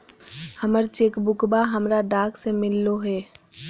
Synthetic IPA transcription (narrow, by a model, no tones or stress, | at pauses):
həməɾt͡ʃeːkbʊkbaɦəmɾaɖaːksemɪlːoɦɛː